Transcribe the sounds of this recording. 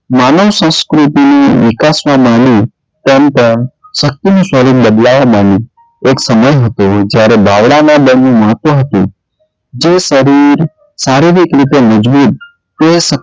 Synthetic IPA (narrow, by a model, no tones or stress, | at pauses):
manəʋsə̃skɾut̪iniʋikasʋãmanĩ | t̪ɛmpəɳʃək̚t̪inũsəɾiɾbəd̪laʋamani | eksəməjɦət̪od͡ʒjaɾebʱaʋɽanabənũmãt̪oɦət̪ũ | d͡ʒesəɾiɾ | saɾeʋikɾit̪eməd͡ʒbut̪̚ | toesə